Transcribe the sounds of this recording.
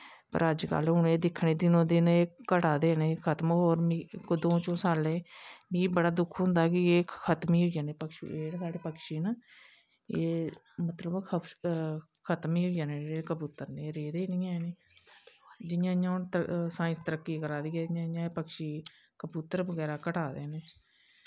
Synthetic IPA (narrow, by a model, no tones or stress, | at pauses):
pə̰ɾəd͡ʒkə̰lʊneːd̪ɪkʰːɳeːd̪ɪnõːd̪ɪneːkəʈaːd̪eːneːkʰət̪moːɾmiːkːd̪õːt͡ʃõːsaːleːmĩːbəɽaːd̪ʊkʰɦʊ̃nd̪aːkɪeːkʰət̪miːɦoːijaːneːpəkʃḭeːɽsaːɽeːpəkʃiːnaː | eː | mət̪ləbkʰə | kʰət̪miːɦoːijaːneːeːkəbuːt̪əɾneːɾeːd̪eːnĩːɛːneː | d͡ʒɪjãːɲãːoːnt̪sãːɪ̃st̪əɾəkːiːkəɾaːd̪iːɛːd͡ʒɪãːɪjãːeːpəkʃiː | kəbuːt̪əɾbəɡɛːɾaːkəʈaːd̪eːneː